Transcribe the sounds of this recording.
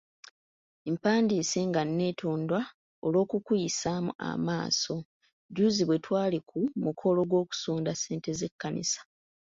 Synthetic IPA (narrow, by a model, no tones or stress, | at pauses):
empaːndiːseŋɡanːe̞ːtʰoːndwa | olwo̞ːkukujisaːmṵa̰maːso̞ | ɟuːziβwe̞twaːlikʰumukʰo̞lo̞ɡwo̞ːku̥suːndase̞ːnte̞ze̞kːanḭsḁ